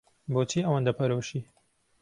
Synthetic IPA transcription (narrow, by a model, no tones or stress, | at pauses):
boːt͡ʃʰiːɐwɐnd̪ɐpʰɐɾowʃiː